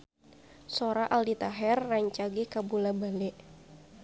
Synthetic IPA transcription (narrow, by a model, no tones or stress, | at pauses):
soɾaʔaldit̪aɦɛrːaɲt͡ʃaɡekabulabalɛʔ